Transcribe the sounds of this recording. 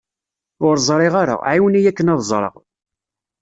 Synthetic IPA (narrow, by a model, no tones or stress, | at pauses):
ʊɾzˤɾˤɪʁaɾa̰ʕiwənijækːənɑðˤzˤɾˤə̰ʁ